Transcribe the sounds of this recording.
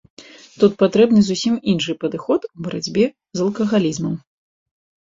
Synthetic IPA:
t̪ut̪̚pat̪ɾɛbnɨzusʲiminʂɨpɐd̪ɨxɔt̪ubɐɾʔad͡zʲbʲɛ | zɐlˠkɐɣalʲizmɐm

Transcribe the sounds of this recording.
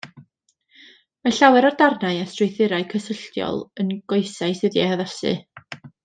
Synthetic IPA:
maɬawɛɾardarnaɨastrʊjθɪɾaɨkʰəsəɬtjɔ̰lˠənɡ̥oɨsaɨsɨðjɛhaðasɨ̰

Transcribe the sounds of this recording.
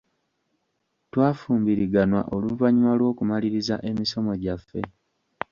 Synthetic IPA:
twaːfuːmbiɾiɡanwa̰ʔoluvaɲiwalwo̞ːkumaliɾiza̰ʔe̞miso̞mo̞ɟafːe̞̰

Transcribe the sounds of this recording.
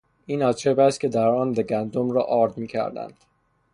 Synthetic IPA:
iːnɒːt̪ʰʃebæst̪̚cʰe̞d̪æɾɒːnd̪eɡænd̪omɾɒːʔɒːɾd̪miːcʰæ̰ɾd̪æ̰nd̪̥

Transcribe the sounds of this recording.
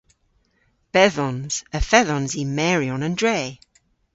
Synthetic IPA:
b̥ɛðɔnz̥əfɛðɔnzimɛɹjɔnəndɹeː

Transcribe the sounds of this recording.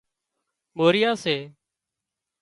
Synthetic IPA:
moːɾɪjaːseː

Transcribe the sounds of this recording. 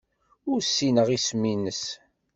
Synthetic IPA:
ʊɾsːinəʁismːinəs

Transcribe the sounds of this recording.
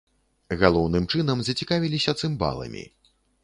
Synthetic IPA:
ɣalˠɔwnɨmt͡ʂɨn̪ɐmzɐt͡sʲikavʲilʲisʲɐt̪sɨmba̰lˠɐ̰mʲḭ

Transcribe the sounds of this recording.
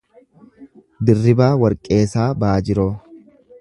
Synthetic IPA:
d̪ɪrːɪbaːwɐɾkʼe̞ːsaːbaːd͡ʒɪɾoː

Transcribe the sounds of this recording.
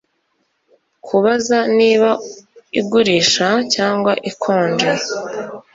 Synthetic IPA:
kʰuβazaniːβaiɡuɾiːʃacaːŋɡwaʔikʰoːɲd͡ʒe

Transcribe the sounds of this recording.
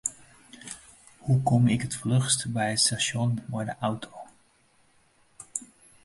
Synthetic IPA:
hukɔmɪkətflɵxstbɛjətstasjɔnmɔjdəʔawtʰoː

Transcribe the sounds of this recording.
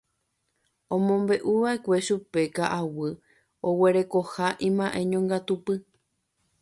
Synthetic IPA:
õmõ̞mbe̞ʔuʋaʔe̞kʷe̞ʃupe̞kaʔawɨ | oweɾe̞kohaʔĩmãʔẽ̞ɲõŋɡat̪upɨ

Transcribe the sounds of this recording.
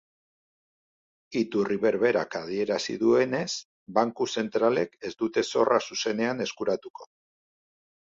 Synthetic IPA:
it̪uriβe̞ɾβe̞ɾa̰kað̞ie̞ɾasḭðue̞ne̞s | baŋkuse̞nt̪ɾale̞ke̞zd̪ut̪e̞so̞rʔasuse̞ne̞ane̞skuɾat̪uko̞̥

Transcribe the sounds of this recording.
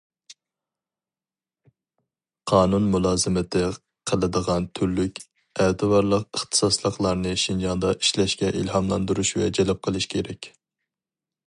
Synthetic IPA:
qʰɑːnunmulˠɑːzɨmɪt̪ʰɪ | qʰəlˠɨd̪əʁɑnt̪ʰyɾlykʲ | ɛd̪ɨwɑɾlˠəqəχt̪ʰɨ̥sɑslˠəqlˠɑɾnɨʃind͡ʒɑnd̪ɑʔiʃlɛʃkʲɛʔilɦɑmlˠɑnd̪uɾuʃwɛd͡ʒɛlɛp̚qʰəlˠɨʃkʲʰeɾɛkʲ

